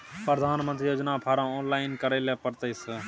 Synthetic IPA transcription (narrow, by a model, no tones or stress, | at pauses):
pɾəd̪ʱaːnmənt̪ɾiːjoːd͡ʒnaːpʰaːɾãːoːnlaːɪnkəɾeːleːpəɾt̪əɪs